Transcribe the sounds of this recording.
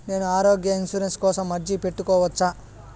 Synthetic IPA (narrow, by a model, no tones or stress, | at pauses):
ne̞ːnuaːɾoːɡjɐinsuɾenskɔːsɐmːɐɾd͡ʒipe̞ʈːukɔːʋɐt͡ʃːaː